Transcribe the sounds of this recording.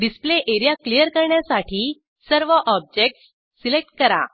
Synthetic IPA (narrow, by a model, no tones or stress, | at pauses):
ɖispleʔeɾijaklijəɾkəɾɳjasaʈʰiː | səɾʋəʔɔb̚d͡ʑek̚ʈssː | ilek̚ʈ̚kəɾa̰